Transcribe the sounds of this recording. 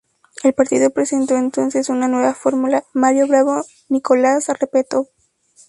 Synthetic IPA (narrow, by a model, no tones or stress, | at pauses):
e̞lpaɾt̪iðo̞pɾe̞se̞nt̪o̞ent̪o̞nse̞sunanwe̞βafo̞ɾmulamaðjo̞βɾaβo | niko̞lasrepet̪o